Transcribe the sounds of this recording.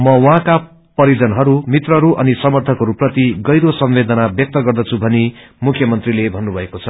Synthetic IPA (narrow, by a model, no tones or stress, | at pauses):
mʌwʌɦãka | pʌɾid͡zʌnɦʌɾumit̪rʌɾuʔʌnisʌmʌrt̪ʰʌkɦʌɾuprʌt̪iɡʌjɾosʌmbed̪ʌnabjʌk̚t̪ʌɡʌrd̪ʌt͡sʰubʱʌni | mukʰjʌmʌnt̪rilebʱʌnːubʱʌekot͡sʰʌ